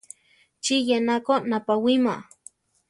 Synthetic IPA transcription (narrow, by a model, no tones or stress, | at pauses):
t͡ʃijenakonapawima